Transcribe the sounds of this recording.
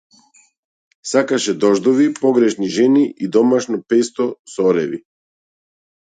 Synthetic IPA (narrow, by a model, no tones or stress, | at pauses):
sakaʃɛd̪ɔʒd̪ɔvipɔɡɾɛʃniʒɛniʔid̪ɔmaʃnɔpɛst̪ɔsɔɾɛvḭ